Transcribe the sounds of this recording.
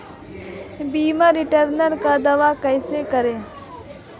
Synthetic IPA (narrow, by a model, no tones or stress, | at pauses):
biːmãːɾɪʈəɾnəɾkad̪əʋaːkəɪsekəɾeː